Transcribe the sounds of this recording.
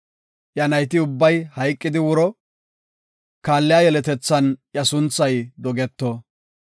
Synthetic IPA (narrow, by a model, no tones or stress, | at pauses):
ʔjɐnɐjt̪̬ɪʊbːɐjhɐjkʼːɪd̪ɪwʊɾɔ | kaːlːɪjaːjɛlɛt̪ɛt͡sːɐnjɐsʊnt͡sːɐjd̪ɔɡɛt̪ːɔ